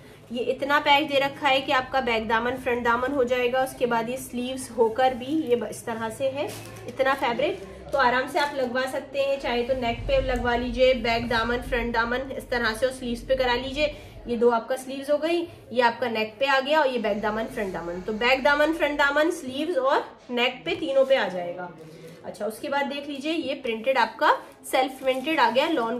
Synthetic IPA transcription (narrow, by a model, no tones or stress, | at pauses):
jeʔɪt̪napɛːkd̪eɾɐkʰːaɦɛkiaːp̚kabɛːk̚d̪aːmənfɾɛ̃ɳʈ̚d̪aːmənɦod͡ʒaːeːɡaʊskebaːd̪jesliːʋzɦoːkəɾbʱijeɪst̪ɐɾaseɦɛ | ɪt̪nafɛːbɾɪʈ | t̪oaːɾaːmseaːplɐɡʋasɐk̚t̪eɦɛ̃t͡ʃaːɦet̪onɛːk̚pelɐɡʋaliːd͡ʒiebɛːkd̪aːmənfɾɛ̃ɳʈd̪aːmənɪst̪ɐɾaseɔsliːʋzpekɐɾaːliːd͡ʒieː | jed̪oːaːp̚kasliːʋzɦoːɡɐi | jeaːp̚kanɛːk̚peaːɡɐjaɔːɾjebɛːk̚d̪aːmənfɾɛ̃ɳʈd̪aːmənt̪obɛːkd̪aːmənfɾɛ̃ɳɖaːmənsliːʋzɔːɾ | nɛːkpet̪iːnõpeaːd͡ʒaːeːɡaː | ɐ̰tːʃʰaʊskebaːd̪ːeːkʰliːd͡ʒiejepɾɪ̃ɳʈɪɖaːp̚ka | sɛlfɾɪ̃ɳʈeɖaːɡɐjalɔːn